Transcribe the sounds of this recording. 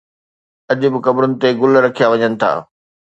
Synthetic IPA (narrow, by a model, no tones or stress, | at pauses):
ɐʄʊbɪ̆kɐbɾʊnɪ̆t̪eɡʊlɾɐkʰijaʋɐɲənɪ̆t̪ʰa̰ː